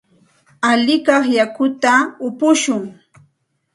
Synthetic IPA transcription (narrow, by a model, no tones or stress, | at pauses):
aʎɪkɑχjakʊt̪aʊpʊʃʊŋ